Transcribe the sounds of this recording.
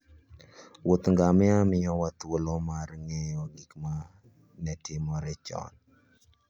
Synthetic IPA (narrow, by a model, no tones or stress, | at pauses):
wot̪ŋɡamɪamɪjɔwat̪wolɔmarŋɛjɔɡikma | nɛtʰɪmɔɾɛt͡ʃɔ̰n